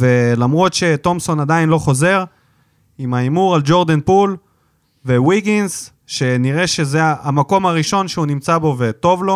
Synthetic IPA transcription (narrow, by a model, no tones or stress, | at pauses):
ve̞lamʁo̞t̪ʃe̞t̪o̞mso̞nad̪ainlo̞χo̞ze̞ʁ | imaimuʁald͡ʒo̞ʁd̪enpul | vewiɡins | ʃe̞niʁe̞ʃe̞zeaamako̞maʁiʃo̞nʃeunimt͡sabo̞ve̞t̪o̞vlo̞